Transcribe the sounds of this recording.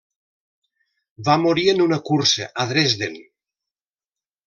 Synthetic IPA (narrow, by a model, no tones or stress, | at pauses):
bamoɾienunakuɾseʔaðɾezðel